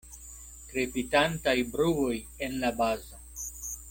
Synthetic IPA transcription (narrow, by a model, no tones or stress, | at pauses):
tɾepitantajbɾuoj | enlabazo